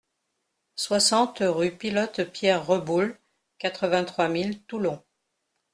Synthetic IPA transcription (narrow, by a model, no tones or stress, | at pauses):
swasɑ̃t̪ʁypilɔt̪pjɛʁːəbul | kat̪χəvɛ̃t̪χwamilt̪ulɔ̃